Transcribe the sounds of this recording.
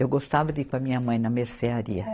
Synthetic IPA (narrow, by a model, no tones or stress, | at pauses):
ewɡost̪avɐd̪ikɐmĩɲɐmɐ̃j̃nɐmeɾseaɾḭɐ